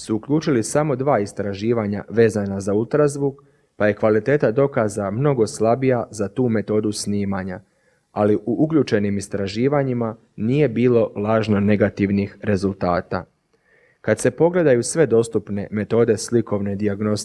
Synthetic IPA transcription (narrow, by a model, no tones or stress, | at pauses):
suːkʎuːt͡ʃilisamo̞d̪ʋaːist̪ɾaʒiːʋaɲa̰ʋe̞ːzanazaulˠt̪ɾazʋuk | paje̞kʋalit̪e̞ːt̪ad̪o̞kazamno̞ɡo̞slabijazat̪uːme̞t̪o̞ːd̪usniːmaɲa | aliʔuʔukʎuːt͡ʃe̞nimist̪ɾaʒiːʋaɲima | nije̞biːlo̞laːʒno̞ne̞ɡat̪iʋnixɾe̞zulˠt̪aːt̪a̰ | kad̪se̞po̞ɡle̞d̪ajusʋe̞d̪o̞st̪upne̞me̞t̪o̞ːd̪e̞sliko̞ʋne̞d̪iaɡno̞s